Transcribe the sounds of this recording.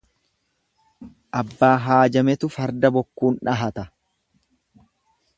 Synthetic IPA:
ʔɐbːaːɦaːd͡ʒɐmɛt̪ʊfɐɾd̪ɐbɔkːuːnᶑɐɦɐt̪ɐ

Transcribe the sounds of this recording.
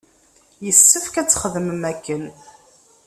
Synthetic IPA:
jəsːəfkæt͡sːχəðəməmækːən

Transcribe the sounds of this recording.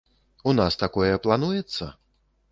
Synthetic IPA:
unast̪akɔjɛplˠan̪ujɛt̪sːɐ

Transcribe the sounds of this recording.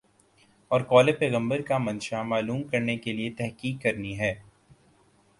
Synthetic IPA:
ɔːɾkɔːlepɛːɣə̃mbəɾkamɐ̃nʃamaːluːmkɐɾnekeliet̪ɛɦkiːkːɐɾniɦɛː

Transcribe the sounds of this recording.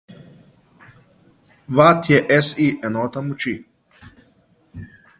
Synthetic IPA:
ʋat̪ʰjɛʔɛsiʔɛnɔt̪ɐmut͡ʃi

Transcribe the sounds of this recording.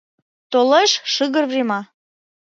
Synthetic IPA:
t̪oleʃʃɨɣə̆rvrʲemɑ

